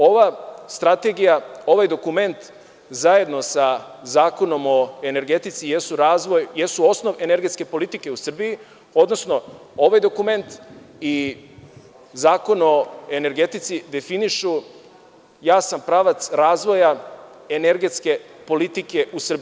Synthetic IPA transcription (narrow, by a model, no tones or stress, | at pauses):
o̞ʋast̪ɾat̪eɡijao̞ʋajd̪o̞kume̞nt̪ | zaje̞d̪no̞sa | zaːko̞no̞mo̞e̞ne̞ɾɡe̞t̪it̪sije̞suɾaːzʋo̞jjesuo̞sno̞ʋe̞ne̞ɾɡe̞t̪ske̞po̞lit̪ike̞usr̩biji | o̞d̪nosno̞ | o̞ʋajd̪o̞kume̞nt̪i | zaːko̞no̞e̞ne̞ɾɡe̞t̪it̪sid̪e̞finiʃu | jaːsampɾaːʋat̪sɾaːzʋo̞ja | e̞ne̞ɾɡe̞t̪ske̞po̞lit̪ike̞ʔusr̩bi